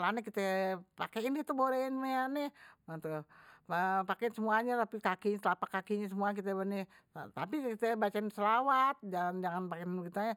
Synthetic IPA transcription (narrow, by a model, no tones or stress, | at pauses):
lanɛkit̪ɛpakeindɛht̪uboɾɛinmeanɛmat̪uapakɛɪnsəmuaɲat̪apikakiɲasəlapakːakiɲasəmuak̬it̪ɛbənɛ | at̪apikit̪ɛbat͡ʃaɪnsəlawat̪̚d͡ʒaŋand͡ʒaŋanpakɛnkit̪aɲa